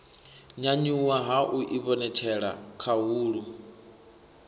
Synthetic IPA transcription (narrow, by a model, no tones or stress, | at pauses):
ɲaɲuwaɦaʔuʔiβɔnɛt͡ʃʰɛɺa̰kʰaɦuːɺu